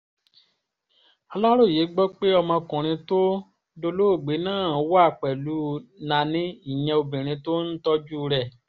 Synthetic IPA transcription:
a˧la˦ɾo˦˨je˨˦ɡ͡bɔ˦k͡pe˦ɔ˧mɔ̃˧kũ˨ɾ̃ĩ˧to˦ | do˧lo˦o˦˨ɡ͡be˨˦nãː˦˨˦wa˦˨k͡pɛ˨lu˨˦nã˧nĩ˦i˦˨j̃ɛ̃˧o˧bĩ˨ɾ̃ĩ˧to˦n̩˦tɔ˦d͡ʒu˦˧ɾɛ˦˨

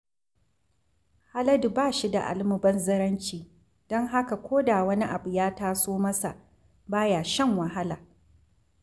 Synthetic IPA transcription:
ha˦lɐ˦dbaː˦˨ʃi˦da̰˨ʔa̰˨lmʊ˨bɐ˦nzɐ˦ɾɐ˦nt͡ʃiː˨ | d̥ɔ˦ŋɦa˦ka˨kʷoː˦da˨wɐ˦ni˦ʔa˨bu˨jaː˦taː˦soː˦mɐ˦sa̰˨ʔ | baː˦jaː˨ʃɛ˦ŋwɐ˨ɦa˦laː˨

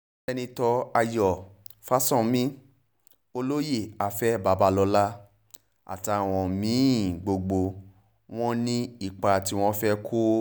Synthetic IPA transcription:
ɛ˦˧nĩ˧tɔ˧a˧jɔ˨ | fa˦sɔ̃˦˨mĩ˦ | o˧lo˦je˦˨a˨fɛ˦˨ba˨˦ba˧lɔ˧la˦ | a̰˨ta˧˨w̃ɔ̃˧mĩ˨˦˨ɡ͡bo˧ɡ͡bo˧ | w̃ɔ̃˦nĩ˦i˦˨k͡pa˧˨ti˧w̃ɔ̃˦fɛ˦kʰo˦

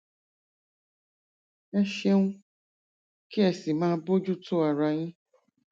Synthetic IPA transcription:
ɛ˦ʃe˧ŋũ˦ | ki˦ɛ˨si˨mãː˦bo˦d͡ʒu˦to˦a˨ɾa˧j̃ĩ˦

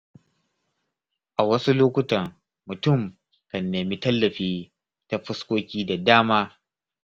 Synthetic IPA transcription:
ʔa˨wɐ˦su˦loː˦kʷʊ˦tɐ˨r | mʊ˨tʊ˦˨m | kɐ˨nːeː˨mi˦tɐ˦lːɐ˨ɸiː˦ | ta˨ɸɪ˦skʷoː˦kʲiː˦da˨daː˦maː˦

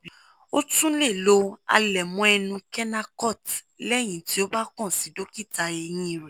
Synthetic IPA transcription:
o˦tũ˦le˦˨lo˧a̰˧lɛ˨mũ˧˦ɛ˧nũ˧kɛ˦na˧kɔ˦˨tlɛ˦˨j̃ĩ˨ti˨˦o˦ba˦kɔ̃˦˨si˨˦do˦ki˦˨ta˧e˧j̃ĩ˧˦˧ɾɛ˨

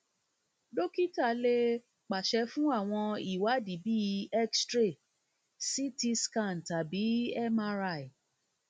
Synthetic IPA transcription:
do˦ki˦ta˦˨le˧ | k͡pa˨ʃɛ˧˦fũ˦a˦˨w̃ɔ̃˧i˦˨wa˨˦di˨bi˦˧˦ɛ˦kstɾe˦˨ | si˦ti˧skã˦˨n˨ta˨bi˨˦ɛ˦mã˧ɾa˧˨i˨

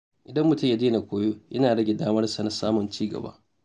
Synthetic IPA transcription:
ʔɪ˨dɐ˦mːʊ˨tʊ˦ja˦d͡ʒeː˦na˨kʷoː˦joː˦jʔɐ̰˦naː˨ɽɐ˦ɡʲe˨daː˦mɐ˦rsa˨na˨saː˦mʊ˨nt͡ʃiː˦ɡɐ̰˨ba̰ː˦

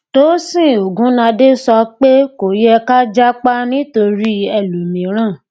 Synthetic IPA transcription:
toː˨˦sĩ˦˨o˨ɡũ˨˦nã˧de˦sɔ˧k͡pe˦ko˨jɛ˧ka˦d͡ʒa˦k͡pa˦nĩ˦to˧ɾi˦ɛ˧lu˨mĩ˨˦ɾ̃ã˦˨

